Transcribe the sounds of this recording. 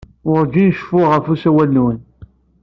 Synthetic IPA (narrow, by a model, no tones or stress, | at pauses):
ʊɾɡinʃfʊʁəfusæwælnwən